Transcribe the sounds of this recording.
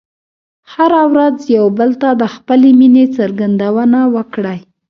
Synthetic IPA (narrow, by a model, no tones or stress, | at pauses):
haɾawɾazjawbəlt̪ad̪əxpəleminet͡səɾɡand̪awənawəkɽaj